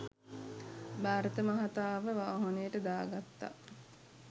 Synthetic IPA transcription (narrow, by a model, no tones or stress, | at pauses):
baːɾət̪əmaɦat̪aːʋəʋaːɦonəjəʈəd̪aːɡat̪ːa̰